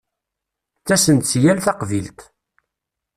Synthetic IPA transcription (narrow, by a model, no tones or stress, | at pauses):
t͡sːæsənt̪sjælθɑqvilt̪